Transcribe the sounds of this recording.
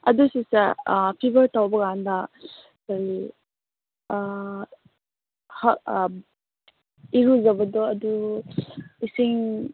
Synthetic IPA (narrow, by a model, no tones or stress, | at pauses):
ɐdusisapʰibəɾtawbɐɡanda | saɾi | ha | iɾuzɐbɐdɔɐdu | isiŋ